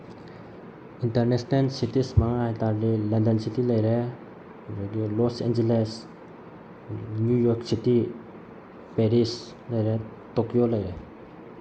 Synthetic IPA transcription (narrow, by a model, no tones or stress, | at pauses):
inteɾnesnelsitismaŋajtaɾlilandensitilajɾe | d͡ʒɔɡilɔsḛnd͡ʒeles | njujɔɾksiti | peɾis | lajɾe | tokijolajɾe